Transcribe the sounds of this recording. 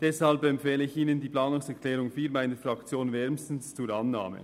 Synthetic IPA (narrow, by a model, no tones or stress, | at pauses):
d̥ɛshalbɛmpfɛːləɪçiːnəndiːplɑːnʊŋsɛʁkʰlɛːɾʊŋfiːɾmaɪnəɾfrɑkt͡sjoːnvɛɾmstn̩st͡suːɾɑnːa̰ːmə̰